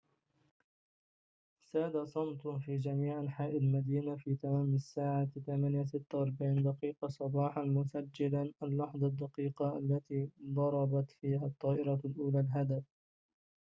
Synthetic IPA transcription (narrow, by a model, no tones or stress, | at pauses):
saːd̪asˤɑmt̪fiːd͡ʒamiːʕaħaːʔɪd̪lmad̪iːnafiːt̪amaːmasːaːʕaθamaːnjas̬ɪt̪ːawɑɾˤbaʕiːnd̪ɑqiːqɑsˤɑbɑːħɑnmʊsad͡ʒːɪlanʔalːɑħðˤɑd̪ːɑqiːqɑʔalːat̪iːd̪ˤɑɾˤɑbɑt̪fiːhat̪ˤːɑːʔɪɾɑlʔuːlaːlɦad̪af